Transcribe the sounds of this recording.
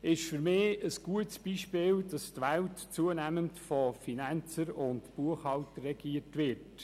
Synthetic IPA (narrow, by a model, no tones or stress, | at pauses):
ɪʃfʏɾmɪːəsɡ̥uətsb̥iːʃpɪːldɑstʋæltt͡suənæməntfɔfinænt͡səɾʊntpuəχhɑltərːɛɡiːəɾtʋɪrt